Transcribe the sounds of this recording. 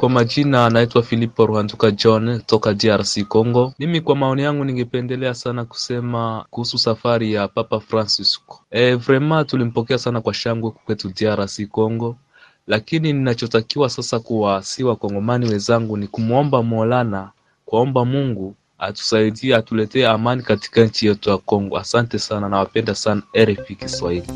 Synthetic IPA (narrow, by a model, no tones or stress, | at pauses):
kwamad͡ʒinanaitwafilipɔɾuhandukad͡ʒɔntɔkadiaɾasikɔŋɡɔmimikwamaɔnijaŋɡuniŋɡɛpɛndɛlɛasanaku̥sɛmakuhususafaɾijapapafɾansiskɔ̥ɛvɾɛmatulim̩pɔkɛasanakwaʃaŋɡwɛku̥kwɛtudiaɾasikɔŋɡɔ | lakinininat͡ʃɔtakiwasasakuwasiwakɔŋɡɔmaniwɛnzaŋɡunikumuɔmbamɔlana | kwaɔmbamuŋɡu | a̰tu̥saidiatulɛtɛːamanikati̥kaɲ̩t͡ʃijɛtujakɔŋɡɔ̰asantɛsananawapɛndasanaɛɾɛfikiswahili